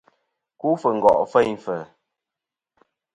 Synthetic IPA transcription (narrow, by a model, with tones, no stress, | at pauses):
ku˦fə˨ŋ̩˨ɡɔ̰˨ʔfɛ˦jfə˨